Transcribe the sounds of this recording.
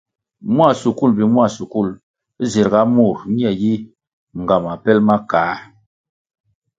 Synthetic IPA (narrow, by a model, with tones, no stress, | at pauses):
mwa˦˨su˨ku˦˨lbi˨m˦a˦˨su˨ku˦˨l | zi˨ɾɡa˦mu˦˨ɾɲi˦ɛ˨ji˦ | ŋ˨ɡa˨ma˨pɛ˦lma˦kaː˨˦